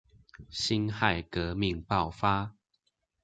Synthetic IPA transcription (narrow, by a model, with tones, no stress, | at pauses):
ɕi˦nxa˥˨ɪkə˨˦mi˥˨ŋpɑ˥˨ʊfa˦